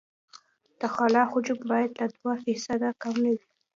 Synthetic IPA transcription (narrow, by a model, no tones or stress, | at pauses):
d̪̥əxɑlɑxʊd͡ʒʊbbɑjad̪lad̪wafisad̪akamnawi